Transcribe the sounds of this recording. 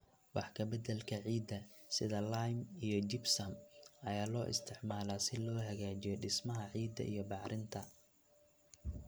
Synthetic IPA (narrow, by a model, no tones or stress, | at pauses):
wɑħkʰɐbɐd̪ɐlkʰɐʕiːd̪ːɐ | sɪðɐlajmijɔd͡ʒɪbsɐmɐjaːlɔːʔɪ̰st̪ʰɪʕmaːlasɪlɔːɦɐɣaːt͡ʃɪjɔɖɪsmɐɦɐʕiːd̪ːɐ̰ʔijɞbɑʕɾʔɪnt̪ʰɐ